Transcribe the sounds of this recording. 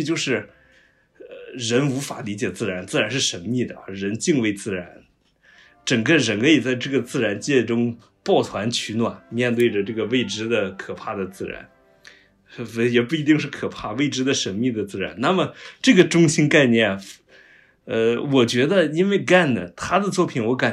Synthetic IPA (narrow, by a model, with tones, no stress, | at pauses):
t͡ɕjo˥˧ʊʂɻ̩˥˩ | əɻə˧˥nu˧˥fa˨˩li˧˥t͡ɕjɛ˨˩t͡sɹ̩˥˩ɻa˧˥nt͡sɹ̩˥˩˧ɻa˧˥nʂɻ̩˥˩ʂə˧˥nmi˥˩d̪ə̰˩ɻə˧˥nt͡ɕi˥˧ŋwe˥˩ɪt͡sɹ̩˥˩ɻa˧˥n | ʈ͡ʂɤ˨˩ŋɡə˥˧ɻə˧˥nkʰə˥i˩t͡sa˥˧ɪʈ͡ʂɤ˥˩ɡə˩t͡sɹ̩˥˩ɻa˧˥nt͡ɕjɛ˥˩ʈ͡ʂʊ˥ŋ | pwɑ˥˩ʊt̪ʰwa˧˥nt͡ɕʰy˧˥nwa˨˩nmjɛ˥˧nt̪we˥˩ɪə˩ʈ͡ʂɤ˥˩ɡə˩we˥˩ɪʈ͡ʂɻ̩˥d̪ə˨kʰɤ˨˩pʰa˥˩d̪ə˩t͡sɹ̩˥˩ɻa̰˧˥n˧˥ | jɛ˨˩pu˥˩i˧˥i˥˧ŋʂɻ̩˥˩kʰɤ˨˩pʰa˥˩we˥˩ɪʈ͡ʂɻ̩˥d̪ə˨ʂə˧˥nmi˥˩d̪ə˩t͡sɹ̩˥˩ɻa̰˧˥nna˥˩mə˩ʈ͡ʂɤ˥˩ɡə˩ʈ͡ʂʊ˥ŋɕi˥nka˥˧ɪnjɛ˥˩n | ə˧wɔ˨˩t͡ɕɥɛ˧˥d̪ə˧i˥nwe˥˧ɪka˥˩nə˩t̪ʰa˥d̪ə˨t͡swɔ˥˩pʰi˨˩nwɔ˧˥ka˨˩